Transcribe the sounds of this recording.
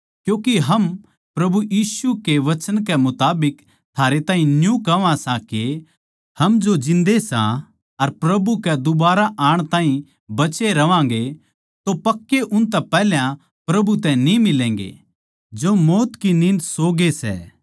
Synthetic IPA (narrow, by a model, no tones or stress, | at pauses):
kjũːkiɦɐm | pɾɐbujiːsukeʋɐt͡ʃənkɛmʊt̪aːbɪk | t̪ʰaːɾet̪aːɦĩnjũkɐʋãsãke | hɐmd͡ʒod͡ʒɪ̃nd̪esã̰ | ɐɾpɾɐbukɛd̪ʊbaːɾaʔaːɽ̃t̪ãːĩ | bɐt͡ʃeɾɐʋãːŋ̆ɡe | t̪opɐkːeʔʊ̃nt̪̬ɛpɛɦljã | pɾɐbut̪ɛ̃nimɪlɛ̃ːŋɡḛ | d͡ʒomɔːt̪kinɪ̃nd̪soːɡesɛ̰ː